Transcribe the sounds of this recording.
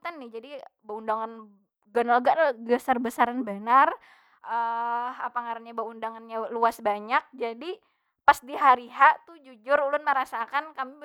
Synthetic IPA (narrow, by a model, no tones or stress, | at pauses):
t̪anːɪhd͡ʒadibaundaŋan | ɡanalɡaʔnɡəsarbəsaɾanbənar | ʔəapaŋaɾanɲabaundaŋanɲaluasbaɲak̚d͡ʒadi | pasdiɦaɾiɦaʔt̪ud͡ʒud͡ʒʊɾulʊnməɾasakankami